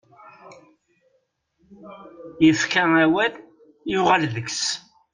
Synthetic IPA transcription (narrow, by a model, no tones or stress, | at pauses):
jəfkææwæl | jʊʁalðəks